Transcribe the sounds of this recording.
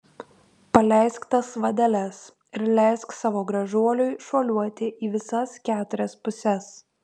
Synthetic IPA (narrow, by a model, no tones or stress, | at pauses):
pɐlʲɛˑɪskt̪ɐsʋɐd̪ʲɛlʲɛs | ɪɾlʲɛˑɪsksɑːʋoːɡɾɐʒuɔlʲʊɪʃoːlʲuɔt̪ʲɪʔiːʋʲɪsɐskʲæːt̪ʊɾʲɛspʊsʲɛs